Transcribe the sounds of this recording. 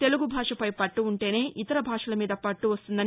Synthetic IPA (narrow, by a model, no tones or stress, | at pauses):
t̪e̞luɡubʱaːʂɐpɐjpɐʈːuːɳʈe̞ːne̞ːʔit̪ɐɾɐbʱaːʂɐlɐmiːd̪ɐpɐʈːuʋɐst̪und̪ɐn